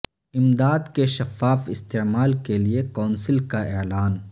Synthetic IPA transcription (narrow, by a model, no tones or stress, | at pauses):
ɪmd̪aːd̪keʃɐfaːfɪst̪eːmaːlkeliekaːnsɪlkaeːlaːn